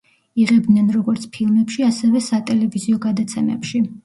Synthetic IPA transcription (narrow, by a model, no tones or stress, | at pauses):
iʁɛbd̪nɛnɾɔɡɔɾt̪sʰpʰilˠmɛpʃiasɛvɛsat̪ʼɛlɛviziɔɡad̪at̪sʰɛmɛ̰pʃi